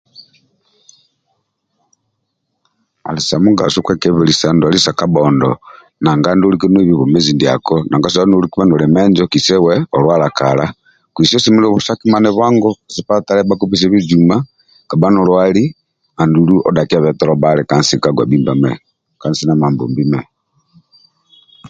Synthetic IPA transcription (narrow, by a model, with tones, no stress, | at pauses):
a̰˨li˨sa˨muɡa̰˨su˦kwɛ˦kɛβɛlisa˨ndu˨ali˦sa˨ka˦bɔndɔ | na˨ŋɡa˦ndo˦likɛ˦nwɛ˦βiβɔ˨mɛ˦zi˨ndi˨a˨kɔna˨ŋɡa˦s̬a˨anuliku˦βa˦nɔ˨lɛ˨mɛnd͡ʒɔkisɛ˦wɛɔlwa˦la˨kala˦ | kwi˨si˦ɔ˦si˦mi˦lɔβu˨saki˦ma˦nɛβwa˦ŋɡɔsi˨pa˦ta˦lɛba˦kupi˨s̬ɛβi˦d͡ʒuma˦ | ka˨ba˦nɔ˨lwali˦ | a˨ndulu˦ʔɔ̰˦da˨kia˨βɛ˨tɛ˦ɾɔbalɛka˦nsi˨kaɡwa̰˨bimbamɛ˨ | ka˨nsi˦na˨ma˨mbṵ˨mbimɛ